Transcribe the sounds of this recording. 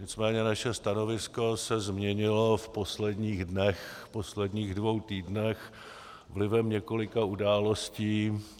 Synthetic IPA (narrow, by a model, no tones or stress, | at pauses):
ɲɪt͡smɛːɲɛnaʃɛst̪ano̞vɪsko̞sɛzmɲɛɲɪlo̞fpo̞slɛdɲiːɣdnɛxpo̞slɛdɲiːɣdvo̞wt̪iːdnɛx | vlɪvɛmɲɛko̞lɪkaudaːlo̞sciː